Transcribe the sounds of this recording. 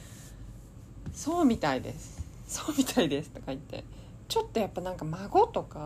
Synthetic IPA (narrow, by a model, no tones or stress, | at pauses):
so̞ːmʲit̪aid̪e̞̰sɨ̥ | soːmʲit̪ʰaid̪e̞sɨ̥t̪o̞kait̪ːe̞̰ | t͡ɕo̞t̪ːo̞japːanãŋkamaɡo̞t̪o̞ka